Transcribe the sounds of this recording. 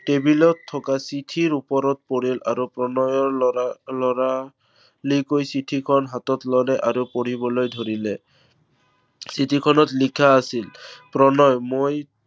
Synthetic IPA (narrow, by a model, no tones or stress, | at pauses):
tebilɔtʰːɔkasitʰiɹupɔɾɔt̚poɹila̰ɹupɹɔnɔjɔɹlɔɹa | likojsitʰikʰɔnɦatɔtlɔlɛʔaɹupoɹibɔlojdʱoɹilɛ | sitʰikʰɔnɔtlikʰaːsilpɹɔnɔjmoj